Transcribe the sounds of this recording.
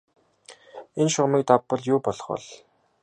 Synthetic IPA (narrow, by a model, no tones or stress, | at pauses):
enʃʊʁmiːk̚t̪apːə̆ɮjʊːpɔɮɞ̆χɔ̰ɮ